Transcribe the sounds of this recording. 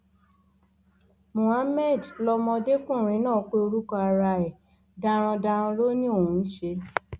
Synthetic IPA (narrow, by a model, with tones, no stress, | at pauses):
mõ˨a˦mɛ˦˨dlɔ˧mɔ̃˧de˦kũ˦˨ɾ̃ĩ˨˦nãː˦˨˦k͡pe˦o˧ɾu˦kɔ˧a˧ɾa˧ɛ˨ | da˧ɾ̃ɔ̃˧da˧ɾ̃ɔ̃˧lo˦nĩ˦o˦˨ũ˨˧n̩˦ʃe˧